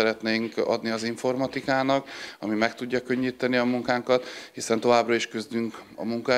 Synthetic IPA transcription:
ɛɾɛt̪neːŋkɒ̰d̪niɒziɱfo̞rmɒt̪ikaːnɒkɒmimɛkt̪uɟːɒkø̞ɲːiːt̪ɛniɒmuŋkaːŋkɒt̪hisɛnt̪o̞vaːbrɒiʃkøzd̪yŋkɒ̰muŋk

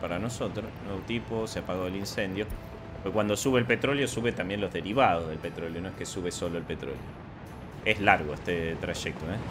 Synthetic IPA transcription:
paɾano̞so̞t̪ɾosnweβot̪iposeapaɣoðelinsend̪jo̞ | okwand̪o̞suβeːlpe̞t̪ɾo̞ljosuβet̪ambje̞nlo̞zðeɾiβaðozðe̞lpe̞t̪ɾo̞ljo̞noehkesuβeso̞lo̞elpet̪ɾo̞̰ljo̰ | ezlaɾɣoest̪et̪ɾaʃek̚t̪oe

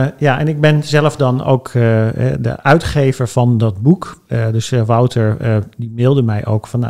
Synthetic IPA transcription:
jaːʔɛnɪɡ̚bɛnzɛləvdɑno̰wkɛ̰də̰ʔœɥtχejvəɹv̥ɑndɑdbukdɵsəʋawtʰəɹdimɪlˠdəmɛjʔo̰wkfɑna

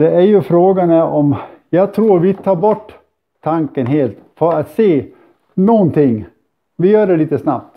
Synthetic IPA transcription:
d̪ɛæɾjɵfɾoːɡanæɾʔɔmjɑːɡt̪ʰɾuːɾvɪt̪ʰɑːɾbɔʈː | t̪ʰːaŋkənɦeːlt̪fœɾat̪seː | nɔnt̪ɪŋː | vɪjœːɖɛliːt̪əsna̰p̚t̪

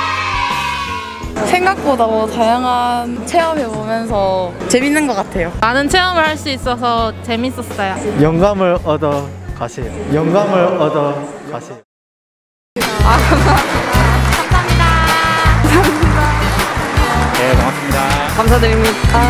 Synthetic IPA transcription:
sʰe̞ŋɡak̚podamʌtajaŋɦant͡ɕʰe̞ʌmebomjʌns̬ʰʌt͡ɕe̞minːɯnɡʌk͈atʰe̞jomanɯnt͡ɕʰeʌmɯɭhaɭs͈uis͈ʌsʰʌt͡ɕe̞mis͈ʌs͈ajojʌŋɡamɯɾʌdʌkaɕʰejojʌŋɡamɯɭʌdʌkaɕʰe | aa | kʰamsʰamida | sʰaida | jekʌas͈ɯmɲidakamsʰadɯɾimia

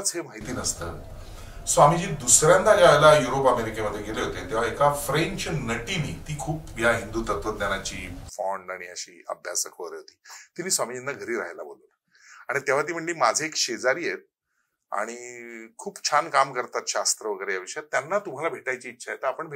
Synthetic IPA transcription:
t͡sɦemaɦit̪iːnəst̪ə̰ː | sʋamid͡ʑiːd̪usɾjand̪ad͡ʑaajlajuɾopəmeɾikeməd̪ʱːjeɡeleɦot̪et̪eʋ̤aekafɾẽɲt͡ɕnəʈinḭːt̪iːkʰuːpjaɦind̪uːt̪ət̪ʋət̪̚njanat͡ɕiːfɔɳɖaɽ̃iəɕḭːə̰bʱja̰səkʰəʋəɾəɦot̪i̥ːt̪inːiːsʋamid͡ʑind̪aɡʱəɾiːɾa̰ɦjla̰bo̰lul | aɽ̃it̪jaʋ̤at̪̬iːm̤əɳliːmad͡zʱeekɕed͡zaɾiːjet̪̚ | a̰ɽ̃ikʰuːpt͡ɕʰankamkəɾt̪at̪ɕast̪ɾəʋəɡəɾejaʋiɕjat̪ːjanːat̪um̤alabʱeʈajt͡ɕiːtːʰajet̪əapəɳbʱe

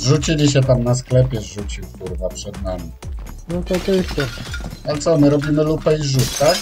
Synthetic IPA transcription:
ʐut͡ɕilʲiɕ̬ɛt̪amnasklɛpʲjɛʐut͡ɕiwkuɾvapʂɛd̪namʲi | ɔt̪ɔt̪ɔjɛst̪ɛalɛt̪sɔmɘɾɔbʲimɘlupɛiʐut̪ka

